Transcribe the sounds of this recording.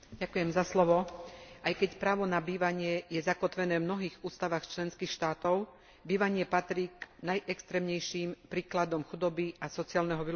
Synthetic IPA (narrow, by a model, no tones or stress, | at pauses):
ɟakujɛmzaslɔʋɔʔajkɛcpɾaːʋɔnabiːʋaɲɪɛjɛzakɔt̪ʋɛnɛːvmnɔɦiːɣuːst̪aʋaxt͡ʃlɛnskiːxʃt̪aːt̪ɔʊ | biːʋaɲɪɛpat̪ɾiːɡnajʔɛkst̪ɾɛːmɲɛjʃimpɾiːklad̪ɔmxud̪ɔbiasɔt͡siaːlnɛɦɔʋi